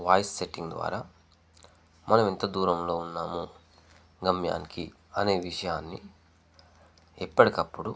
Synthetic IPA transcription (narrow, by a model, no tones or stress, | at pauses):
ʋaːjsseʈiŋɡd̪ʋa̰ːɾaː | mɐnɐment̪ɐd̪uːɾɐmlo̞ːunːaːmu | ɡɐmja̰ːniki | ɐne̞ːʋiʂɐjaːnːi | ɛpːɐɽikɐpːuɽu